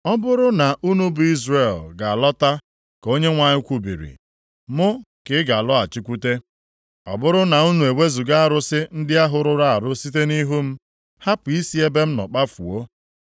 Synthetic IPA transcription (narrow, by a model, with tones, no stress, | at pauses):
ɔ˦bʊ˦ɾʊ˦na˨ʔu˦nu˦bʊ˨i˦zre˨lɡa˨a˨lɔ˦ta˦ | ko˦ɲe˦ŋʷa˨ɲɪ˦kʷu˨bḭ˨ɾḭ˨ | mʊ˦ | kɪ˦ɡa˨lɔ˦a˨t͡ʃi˦kʷu˦te˦ | ɔ̰˨bʊ˦ɾʊ˦na˨u˦nu˨e˨we˦zu˨ɡa˦a˦˨ɾʊ˦sɪ˦n̩˦dɪ˦a˦ɦʊ˨ɾʊ˦ɾa˦a˨ɾʊ˦si˦t̬e˦ni˦ɦu˦m̩˦ | ha˦pʊ˨i˦si˦e˦be˦m̩˦nɔ̰˨k͡pa˦fṵ˨o˦